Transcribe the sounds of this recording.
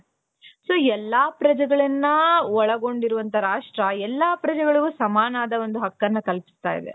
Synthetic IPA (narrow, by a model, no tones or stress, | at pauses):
soːɛlːaːpɾɐd͡ʒɐɡɐɭɐnːɐɔɭɐɡo̞ɳɖiɾuʋɐnt̪ʰɐɾaːʂʈɾɐɛlːaːpɾɐd͡ʒɛɡɐɭiɡuːsɐmaːnaːd̪ɐo̞nd̪uɦɐkːɐnːɐkɐlpi̥st̪a̰ːjḭd̪ḛ